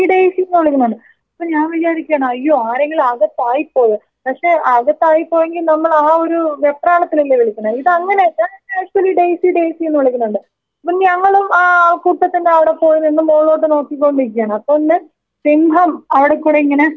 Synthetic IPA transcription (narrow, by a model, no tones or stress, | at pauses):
iɖejsijenːɨʋɐɭikʲːnːuɳɖɨ | ɐpːoːɲaːnʋit͡ɕaːɾikʲːaːɳɐmɐjːo̞ːaːɾe̞ŋɡilɐɣɐt̪ːaːjipːo̞ːjɨ | pɐkʂe̞ːɐɣɐt̪ːaːjipːo̞ːje̞ŋɡilnɐmːɐɭaːo̞ɾuʋe̞pːraːɭɐt̪ːililːeʋiɭikʲːuɳɐiðɨɐŋːɐneɐtːaːneːʂuwɐliɖe̞jsiɖe̞jsijenːɨʋɐɭikʲːunːuɳɖɨ | ɐpːoɲɐŋːɐɭumaːkuːʈːɐt̪ːindeɐʋiɽe̞po̞ːjunːinːɨmoːɭo̞ːʈ̬ːɨno̞ːkːikːo̞ɳɖɨik̬ʲːjaːɳɨɐpːoːinːe | simbʱɐmɐʋiɽe̞kːuːɽeiŋːɐne̞